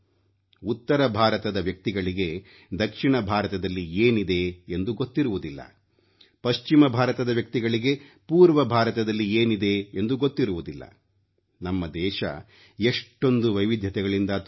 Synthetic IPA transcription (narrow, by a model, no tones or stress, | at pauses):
ut̪ːɐɾɐbʱaːɾɐt̪ɐd̪ɐʋjɐk̚t̪iɡɐɭiɡe̞ | d̪ɐkʂiɳɐbʱaːɾɐt̪ɐd̪ɐlːieːnid̪e̞end̪uɡo̞t̪ːiɾuʋud̪ilːɐ̰ | pɐʃt͡ʃimɐbʱaːɾɐt̪ɐd̪ɐʋjɐk̚t̪iɡɐɭiɡe̞puːɾʋɐbʱaːɾɐt̪ɐd̪ɐlːieːnid̪e̞end̪uɡot̪ːiɾuʋud̪ilːɐ̰ | nɐmːɐd̪ɛːʃɐ̰ | eʂʈːo̞nd̪uʋɐjʋid̪ʱjɐt̪ɛɡɐɭind̪ɐ